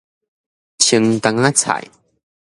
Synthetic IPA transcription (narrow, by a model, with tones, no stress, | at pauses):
t͡ɕʰi˧ŋt̪a˧ŋa˦t͡sʰa̰˧˨j